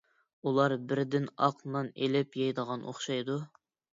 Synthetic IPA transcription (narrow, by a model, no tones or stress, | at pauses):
ulˠɑɾbɪɾd̪ɪnɑ̰qnɑnelɪpjɑjd̪əʁɑnʔo̰χʃɑjd̪u